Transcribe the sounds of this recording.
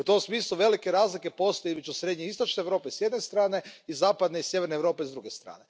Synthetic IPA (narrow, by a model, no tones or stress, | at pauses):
ut̪o̞msmiːslˠuʋe̞like̞ɾaːzlike̞po̞st̪ojimet͡ʃusɾe̞d̪ɲeist̪o̞t͡ʃneeːʋɾo̞ːpeisjed̪ne̞st̪ɾaːne̞izaːpad̪neisjeʋe̞ɾneːʋɾo̞ːpeizd̪ɾuɡe̞st̪ɾa̰ːne̞